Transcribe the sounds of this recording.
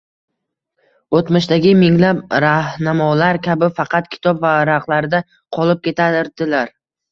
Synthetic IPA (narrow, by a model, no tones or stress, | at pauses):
ot̪mɪʃd̪aɡʲɪmɪŋlapɾahnamɒlaɾkʲabɪfɑqʰɑt̪kʲʰɪ̥t̪ʰɒpvaɾaqlˠaɾd̪a | qʰɒlˠɪp̚kʲe̞t̪ʰaɾd̪ɪlaɾ